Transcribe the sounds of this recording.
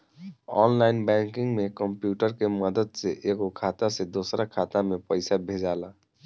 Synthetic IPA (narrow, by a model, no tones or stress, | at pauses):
ɔ̰ːnlaɪnbɛ̃ŋkɪŋɡmekəmpjuːʈəɾkeməd̪əd̪seʔeɡokʰaːt̪ased̪oːsɾakʰaːt̪amepəɪsabʱed͡ʒaːla